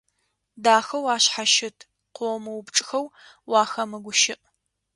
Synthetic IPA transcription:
daːxɐwaːɕħaʃɪtʰ | qʷomɐwʊbʈ͡ʂʼxɐw | wɑːxɐmɨɡʷʊʃɪʔʼ

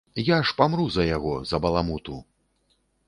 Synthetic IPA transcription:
jaʂpamɾuzɐjaɣɔzɐbɐlˠamut̪u

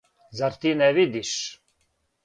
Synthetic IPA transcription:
zaɾt̪inɛvid̪iʃ

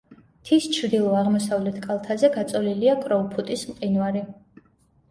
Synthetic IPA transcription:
t̪ʰist͡ʃʰɾd̪ilˠɔaʁmɔsavlɛt̪ʰkʼalˠt̪ʰazɛɡat̪sʼɔliliakʼɾɔvpʰut̪ʼismqʼinvaɾi

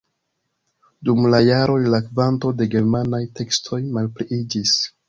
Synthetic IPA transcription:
dumlajaɾo̞lilakvanto̞de̞ɡe̞ɾmanajte̞kstʰo̞jmalpliid͡ʒis

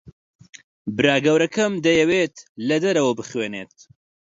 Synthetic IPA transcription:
bɨɾaːɡɐwɾɐkʰɐmd̪ɐjɐweːt̪lɐd̪ɐɾɐwɐbɨχweːneːt̪̚

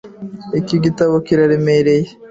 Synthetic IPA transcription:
ikiɡitaβokiɾaɾemeɾeje

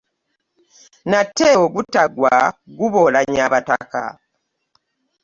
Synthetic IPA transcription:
natːeoɡutːaɡwa̰ɡuβolaɲaβata̰ka̰

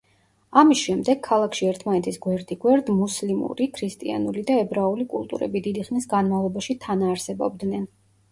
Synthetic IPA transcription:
amisʃɛmd̪ɛɡʰalˠakʰʃiɛɾt̪ʰmanɛt̪ʰisɡwɛɾd̪iɡwɛɾd̪muslimṵɾikʰɾist̪ʼia̰nulid̪aɛbɾaulikʼṵlˠt̪ʼṵɾɛ̰bid̪id̪iχnisɡanmavlˠɔbaʃit̪ʰanaːɾsɛbɔ̰b̚d̪nɛn

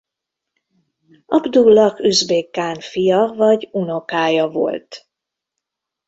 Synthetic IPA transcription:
ɒbd̪ulːɒkyzbeːkːaːnfijɒvɒɟuno̞kaːjɒvo̞̰lt̪

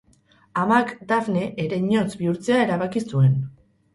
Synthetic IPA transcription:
amakd̪afne̞ʔeɾe̞ɲo̞t͡sbiuɾt͡se̞ae̞ɾaβ̞akisue̞n

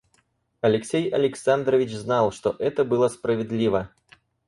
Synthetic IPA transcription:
ɐlʲɛksʲejɐlʲɛksand̪ɾɐvʲit͡ʃznalˠʂt̪ɔʔɛt̪ɐbɨlˠɐspɾɐvʲɛd̪lʲivɐ

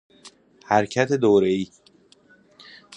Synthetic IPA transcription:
hæɾcʰæt̪ʰed̪oːɾeiː

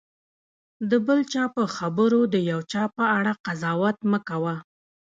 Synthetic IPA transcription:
d̪əbəlt͡ʃɑpəxabəɾod̪əjawt͡ʃɑpəaɽaqazɑwat̪məkawa

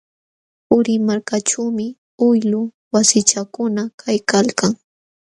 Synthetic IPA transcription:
ʊɾɪmaɾkaʈ͡ʂuːmɪ | ʊjlʊ | wasɪt͡ʃakʊnakʰajkalkaŋ

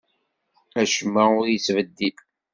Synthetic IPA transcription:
æʃəmːaʊɾjəsvəd̪ːil

